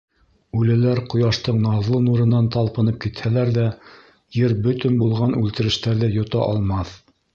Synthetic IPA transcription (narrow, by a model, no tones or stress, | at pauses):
ʉlæ̆læɾqŏjɑʃt̪ɤɴnɑzlˠɤnuɾɤ̆nːɑnt̪ɑlˠpɤ̆nɤp̚kit̪hælæɾðæ | jɘɾbɵt̪ɵnbulˠʁɑnʉlt̪ɘ̆ɾɘ̆ʃt̪æɾðɘjŏt̪ɑ̰ʔɑ̰lˠmɑθ